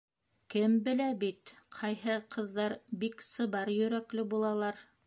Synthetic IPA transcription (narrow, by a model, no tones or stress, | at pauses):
kɘmbɘ̆læbit̪qʰɑjɦɤqʰɤ̆ðːɑɾbiksɤ̆βɑɾjɵ̆ɾæklɘbulˠɑlˠɑɾ